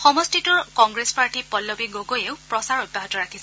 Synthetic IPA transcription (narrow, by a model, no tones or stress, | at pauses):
xɔmɔstitʊɹkɔŋɡɹespaɹʈipɔlːɔbiɡoɡojeʊpɹɔsaɹɔj̚baɦɔtɔɹakʰisɛ